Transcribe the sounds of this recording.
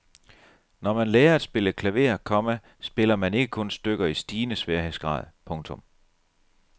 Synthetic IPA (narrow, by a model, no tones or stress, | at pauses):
nɒmænlɛːɐæd̥sb̥e̝ləkʰlæʋe̝̰ːɐkʰɒ̽mæ | sb̥e̝lɐmæne̝ɡ̥əkʰɔ̽nsd̥øɡ̥ɐisd̥iːnəsʋɛɐɦesɡ̥ʁɑ̰̈ːð̞̩ˠpʰɔ̽ŋt͡sʰɔ̽m